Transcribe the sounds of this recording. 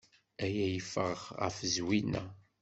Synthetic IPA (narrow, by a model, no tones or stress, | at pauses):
æjæjəfəʁʁʁə̰fəzwinæ̰